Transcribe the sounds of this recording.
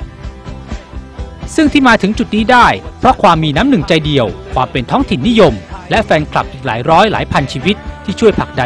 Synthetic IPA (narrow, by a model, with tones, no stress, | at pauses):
sɯ˥˩ŋt̪ʰiː˥˩maː˧t̪ʰɯ˩˦ŋt͡ɕu˨˩t̪̚niː˦˥daː˥˩jpʰɾɔ˦˥kʰwaː˧mːiː˧naː˦˥mnɯ˨˩ŋt͡ɕa˧jdi˨˩əwkʰwaː˧mpe˧nt̪ʰɔː˦˥ŋt̪ʰi˨˩nːi˦˥jo˧mlɛ˦˥fɛː˧nkʰla̰˨˩p̚ʔiː˨˩k̚la̰ː˩˦jɾɔː˦˥jla̰ː˩˦jpʰa˧nt͡ɕʰiː˧wi˦˥t̪̚ʰːiː˥˩t͡ɕʰu˥˩əjpʰa˨˩k̚da˧